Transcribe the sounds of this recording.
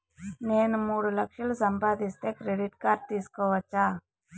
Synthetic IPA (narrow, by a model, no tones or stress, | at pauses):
neːnmuːɽlɐkʃilsɐmbʱaːd̪ist̪ekɾeɖiʈkaɾt̪iskɔʋɐt͡ʃa